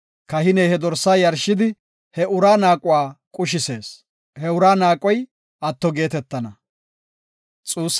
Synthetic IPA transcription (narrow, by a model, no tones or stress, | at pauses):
kɐhɪnɛjhɛd̪ɔɾsːaːjɐɾʃɪd̪ɪ | hɛʔʊɾaːnaːkʼʊwaːkʼʊʃ̬ɪse̞ːs | hɛʊɾaːnaːkʼɔj | ʔɐt̪ːɔɡe̞ːt̪ɛt̪ːɐnɐ | t͡sʼuːsː